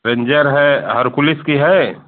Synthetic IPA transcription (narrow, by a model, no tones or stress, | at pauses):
ɾẽɲd͡ʒəɾɦɛɦɐɾkʊlɪskiɦɛ